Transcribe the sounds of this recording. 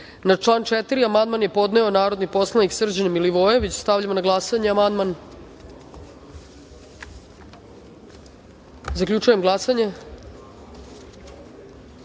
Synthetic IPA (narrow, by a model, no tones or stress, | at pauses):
nat͡ʂlˠaːnt͡ʃet̪iɾiamand̪manje̞po̞d̪ne̞o̞naːɾo̞d̪nipo̞slˠaniksr̩d͡ʑenemiliʋo̞je̞ʋit͡ɕst̪aʋʎamonaɡlˠasaɲeamand̪man | zaklʲʎut͡ʃujemɡlˠasaɲe̞